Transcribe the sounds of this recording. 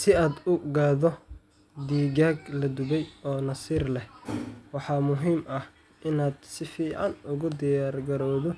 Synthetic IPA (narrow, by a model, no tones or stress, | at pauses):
sɪaːd̪ʊɡaːðɔ | d̪iːɡaːɡlɐd̪ʊβɛjɔːnɐsiːrlɛhwɑħɑːmʊɦiːmʔɐh | ʔɪnaːd̪sɪfiːʕɑ̰nʔʊɣʊd̪ɪjaːrɡɐɾɔːðɔ